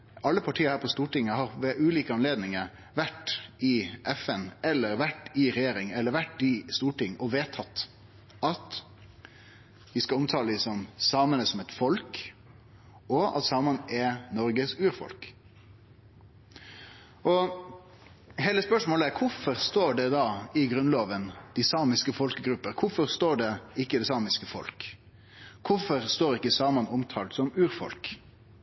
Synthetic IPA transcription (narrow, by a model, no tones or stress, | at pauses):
ɑlːəpʰɑʈʰiːəɾhæːɾpʰɔst̪uːʈɪŋːəhɑɾʋɛʔʉːliːkəɑnleːd̪nɪŋəɾ | ʋæʈɪʔɛfɛnɛlːəɾʋæʈːɪɾɛjeːɾɪŋɛlːəɾʋæʈːɪst̪uːʈɪŋːɔʋeːt̪ʰːɑt̪ː | ɑt̪ | ʋɪskɑɔmt̪ʰɑːləɪsɔmsɑːmənəsɔmɛt̪fɔlk | ɔɑ̰t̪sɑːmənʔɛnɔɾɡəsʉːɾfɔ̰lk | ʔɔ | ɦeːləspœʂmoːləækʰʊfɔɾst̪oːɖɛd̪ɑːɪɡɾʉnloːʋənd̪̥ɪsɑːmɪskəfɔlkəɡɾʉpːəɾkʰʊfɔɾʁst̪oːɖɛɪkːəd̪ɛsɑːmɪskəfɔ̰lkʰ | ʊfɔɾst̪oːɾɪkːəsɑːmɑnɔmt̪ʰɑːlt̪sɔmʉːɾfɔ̰lk